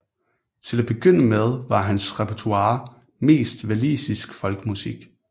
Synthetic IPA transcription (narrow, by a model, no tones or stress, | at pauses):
t͡sʰe̝læb̥e̝ɡ̥øn̰əmeð̞ˠʋɑ̈ɦænsʁɛpʰæɐt͡sʰuɑ̈ː | me̝̰ːsd̥ʋælḭːsisɡ̥fɒ̽lɡ̥əmusiɡ̥